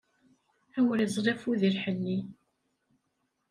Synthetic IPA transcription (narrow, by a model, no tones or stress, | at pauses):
æwəɾizˤɾˤefuðiɾħəlːi